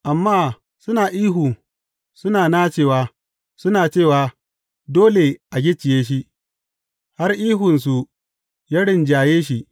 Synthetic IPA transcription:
ʔa˨mːaː˦˨ | sʊ˦naː˨ʔiː˦ɦuː˨ | sʊ˦naː˨naː˦t͡ʃeː˦˨waː˨ | sʊ˦naː˨t͡ʃeː˦˨waː˨ | doː˦le˨ʔa˨ɡʲɪ˦t͡ʃɪ˨jeː˦ʃ̬i˦ | ha˦rʔiː˦ɦʊ˨ns̬u˨ | ja˦ɽɪ˦˨nd͡ʒaː˨jeː˦ʃ̬i˦

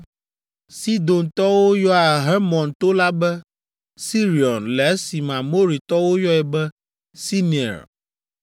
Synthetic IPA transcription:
si˦d̪o˨nt̪ɔ˦wo˦jɔ˦a˨ɦɛ˦mɔ̃˨nt̪o˦la˦bɛ˦ | si˦ɾi˨ɔ˨nlɛ˨ɛ˦si˨mã˨mo˦ɾi˨t̪ɔ˦wo˦jɔ˦ɛ˨bɛ˦ | si˦ni˨ɛ̰˨ɾ

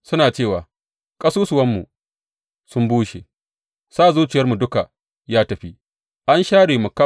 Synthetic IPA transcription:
sʊ˦naː˨t͡ʃeː˦˨waː˨ | kʼɐ˦suː˦sʊ˨wɐ˦mːṵ˨ | sʊ˦mbuː˦ʃḛ˨ | saː˦˨zuː˦t͡ʃɪ˨jɐ˦rmu˨dʊ˦ka˨ | jaː˦tɐ˨ɸi˦ | ʔa˦nʃaː˦ɽeː˨mu˨ka˦

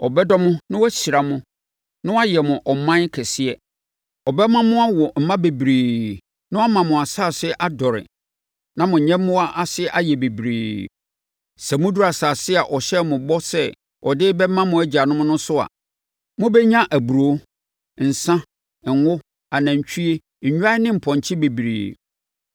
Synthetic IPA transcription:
ɔ˨bɛ˦dɔ˦mʊ̃˦nɪ̃˦wɔ˦ɕi˨ɾa˨mʊ̃˦ | nʊ̃˦wa˦jɛ˨mʊ̃˨ʔɔ˨m˨mã˦n˦kʰɛ˨sɪ˦ɛ˦ | ɔ˨bɛ˦mã˦mʊ̃˦a˦wɔ˨m̩˨mã˦be˨bɾiː˨ | nʊ̃˦a˦mã˨mʊ̃˨a˨saː˦˨sɪ˦ʔa˦dɔ˨ɾɪ̰˨ | nã˦mʊ̃˨ɲɛ̃˦mʊ̃˦a˦ʔa˦sɪ˦ʔa˦jɛ˨be˨bɾiː˨ | sɛ˨mʊ̃˦du˦a˨saː˨sɪ˦a˨ʔɔ˨ɕɛ˦mʊ̃˨bɔ˦sɛ˦ | ɔ˨dɪː˦bɛ˦mã˦mʊ̃˦æ˦d͡ʑi˨a˨nʊ̃˦mʊ̃˦nʊ̃˦sʊ˦a̰˨ | mʊ̃˦bɛ˦ɲã˦ʔæ˨bu˨ɾo˨˦ | n̩˨sã˦˨ | ŋ̩wʊ˦ | a˨nã˨ɲ˨t͡ɕᶣʰi˦e˦˨ɲ̩˨ɲᶣ˦a˦ɪ˦nɪ̃˦m̩˨pʰɔ̃˨ɲ˨t͡ɕʰɪ˦be˨bɾḭː˨

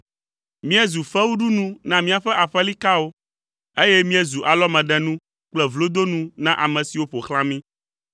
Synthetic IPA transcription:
mĩ˦ɛ˦zu˨fɛ˦wu˦ɖu˦nũ˦nã˨mĩ˦a˨ɸɛ˦ʔa˨ɸɛ˦li˦ka˦wo˦ | e˦jɛ˦mĩ˦ɛ˦zu˨ʔa˨lɔ˦mɛ̃˨ɖɛ̃˨nũ˦ | k͡plɛ˨vlo˦d̪o˦nũ˦nã˦ʔa˨mɛ̃˨si˨wo˦ɸo˨xlã˦mĩ˦

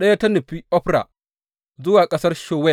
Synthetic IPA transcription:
ɗɐ˦ja˦tɐ˦nɐ˨ɸi˦ʔɔ˦ɸɾa̰˨ | zʊ˦waː˨kʼɐ˦sɐ˦rʃoː˦wɛ˦˨

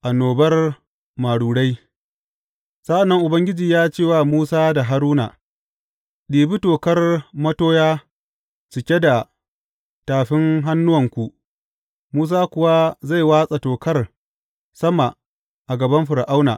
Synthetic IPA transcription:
ʔa˨noː˨bɐ˦r | ma˨ɽuː˨ɽa˦j | sa˦ʔa˨nːɐ˦ŋʔʊ˨bɐ˦ŋɡʲɪ˦d͡ʒiː˨jaː˦t͡ʃeː˦˨waː˨muː˦saː˦da˨ɦa˦ɾuː˦na̰˨ | ɗiː˨bi˦toː˨kɐ˦rmɐ˦toː˦jaː˦ | t͡ʃɪ˨kʲe˦da˨ | taː˨ɸɪ˦ŋɦa˦nːʊ˦wɐ˨ŋkʷu˦ʔ | muː˦s̬aː˦kʷʊ˨wa˦za˦˨jwaː˦sʼa˨toː˨kɐ˦r | sɐ˦ma˨ | ʔa˨ɡɐ˨bɐ˦mɸɪ˨ɾa˨ʔa˦wna̰ː˨

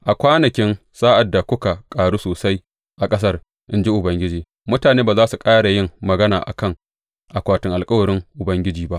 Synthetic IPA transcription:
ʔa˨kʷaː˦nɐ˨kʲɪ˦n | saː˦ʔa˨dːa˨kʷʊ˦ka˨kʼaː˨ɽuː˦soː˨sa˦j | ʔa˨kʼɐ˦s̬ɐ˦r | ʔɪ˦nd͡ʒi˦ʔʊ˨bɐ˦ŋɡʲɪ˦d͡ʒiː˨ | mʊ˦taː˨neː˦baː˨zaː˦su˨kʼaː˦ɽa˨jɪ˦ŋmɐ˨ɡɐ˦naː˨ʔa̰˨kɐ˦ŋ | ʔa˨kʷaː˨tʊ˦ŋʔa˨lkʼɐ˦wɐ˨ɽɪ˦ŋʔʊ˨bɐ˦ŋɡʲɪ˦d͡ʒiː˨ba˦ʔ

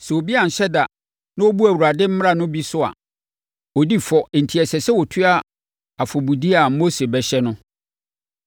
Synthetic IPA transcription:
sɛ˨o˨bi˦a˨n̩˨ɕɛ˦da˨ | nã˦o˦bu˦æ˨wu˨ɾa˨dɪ˦m̩˦m˦ɾã˨nʊ̃˦bi˦sʊ˦a̰˨ | o˨di˦fɔ˨n̩˨tʰi˨ɛ˨sɛ˨sɛ˦wɔ˨tʰʊ˦a˦ | a˨fɔ˨bu˨di˦a˨˦mo˦se˨bɛ˨ɕɛ˦nʊ̃˦

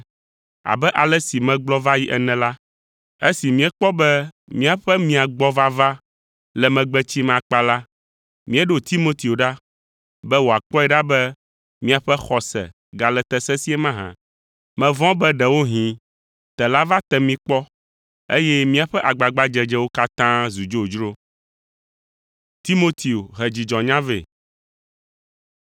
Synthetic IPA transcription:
a̰˨bɛ˦ʔa˨lɛ˦si˨mɛ̃˨ɡ͡blɔ˦va˦ji˦ʔɛ˨nɛ̃˨la˦ | e˦si˨mĩ˦ɛ˦k͡pɔ˦bɛ˦ | mĩ˦a˨ɸɛ˦mĩ˦a˨ɡ͡bɔ˦va˦va˦ | lɛ˨mɛ̃˨ɡ͡bɛ˦t͡ɕi˦mã˨k͡pa˦la˦ | mĩ˦ɛ˦ɖo˦t̪i˦mo˦t̪i˨o˨ɖa˦ | bɛ˦wo˨a˨k͡pɔ˦ɛ˨ɖa˦bɛ˦ | mĩ˦a˨ɸɛ˦xɔ˨sɛ̰˨ | ɡa˨lɛ˨t̪ɛ˨sɛ˦si˦ɛ˦mã˦ɦã̰˨ | mɛ̃˨vɔ̃˦bɛ˦ɖɛ˨wo˦ɦĩ˨ | t̪ɛ˨la˦va˦t̪ɛ˨mĩ˦k͡pɔ˦ | ḛ˦jɛ˦mĩ˦a˨ɸɛ˦ʔa˨ɡ͡ba˨ɡ͡ba˦d͡ʒɛ˦d͡ʒɛ˦wo˦ka˦t̪ã˦zu˨d͡ʒo˦˨d͡ʒɾo˦ | t̪i˦mo˦t̪ʰi˨o˨ɦɛ˨d͡ʑi˨d͡ʒɔ̃˨ɲã˦vḛ˨

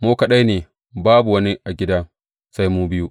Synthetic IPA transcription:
moː˦kɐ˨ɗa˦jneː˨ | baː˦bu˨wɐ˦ni˦ʔa˨ɡʲɪ˦daː˦ | sa˦jmuː˦bɪ˦juː˦ʔ

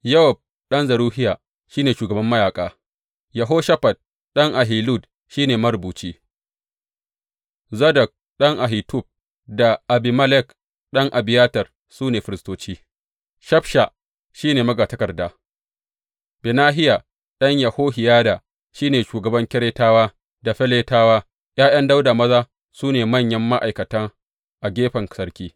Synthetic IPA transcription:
jɐ˦wɔ˨b̚ | ɗɐ˦nzɐ˨ɾuː˦ɦɪ˦ja˨ | ʃiː˦neː˨ʃuː˨ɡɐ˨bɐ˦mːɐ˦jaː˨kʼaː˦ | jɐ˨ɦoː˦ʃɐ˦ɸɐ˨d̚ | ɗɐ˦ŋʔa˨ɦiː˨lu˦˨d | ʃiː˦neː˨mɐ˦ɾbuː˨t͡ʃiː˦ | zɐ˦dɐ˨k̚ | ɗɐ˦ŋʔa˨ɦi˨tʊ˦b̚ | da˨ʔa˨bi˨mɐ˦lɛ˦k | ɗɐ˦ŋʔa˨bɪ˨jaː˦tɐ˨r | suː˦neː˨ɸɪ˨ɾɪ˨stoː˦t͡ʃiː˦ | ʃɐ˦ɸʃa˨ | ʃiː˦neː˨mɐ˦ɡaː˨tɐ˦kɐ˨rdaː˨ | bɪ˨naː˦ɦɪ˦ja˨ | ɗɐ˦ɲja˨hoː˦ɦɪ˨jaː˦da˨ | ʃiː˦neː˨ʃuː˨ɡɐ˨bɐ˦ŋkʲɪ˦ɽeː˦taː˦waː˦ | da˨ɸɛ˦leː˦taː˦waː˦ | j̰ʔaː˦j̰ɐ˦nda˦wda˨mɐ˦zaː˦ | suː˦neː˨mɐ˦˨ɲjɐ˦mːa˦ʔa˨jkɐ˨tɐ˦ŋ | ʔa˨ɡʲeː˦ɸɐ˨ŋsɐ˦ɾkʲiː˦

